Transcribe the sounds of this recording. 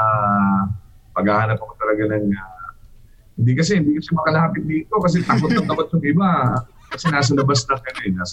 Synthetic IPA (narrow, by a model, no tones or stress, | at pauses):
a | pɐɡaːhaːnɐpɐkot̪ɐlɐɡanɐŋa | hɪnd̪ikɐsɛhɪnd̪iːkɐsɛmɐkɐlaːpɪt̪̚d̪iːt̪o̞kɐs̬ɛt̪aːkot̪ːɐŋt̪ɐbɐt̪̚sɐŋʔɪba | kɐsɛnaːs̬ɐlɐbɐsnɐɡɐnnaːs